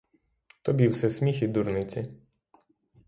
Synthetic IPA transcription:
t̪ɔbʲiwsɛsʲmʲixid̪uɾnɪt͡sʲi

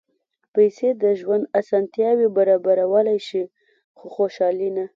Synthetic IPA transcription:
pajsed̪əʒwand̪asɑnt̪jɑwibaɾɑbaɾawəlajʃi | xoxoʃɑlina

